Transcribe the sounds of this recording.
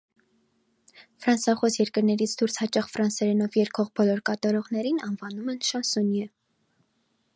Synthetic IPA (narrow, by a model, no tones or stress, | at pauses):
fɾɑnsɑχɔsjɛɾkəɾnɛɾit͡sʰd̪uɾshɑt͡ʃɑχfɾɑnsɛɾɛnɔvjɛɾkʰɔʁbɔlɔɾkɑt̪ɑɾɔʁnɛɾinɑnvɑnumɛnʃɑnsunjə